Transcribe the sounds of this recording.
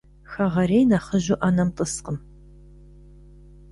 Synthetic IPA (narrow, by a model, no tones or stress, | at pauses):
xɐʁɐɾeːjnaχəʑʊʔaːnɐmtʼəsqəm